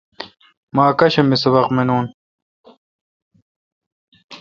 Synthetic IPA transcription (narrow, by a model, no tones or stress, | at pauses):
maːkɐɕɐmisɐbɐqmenuːn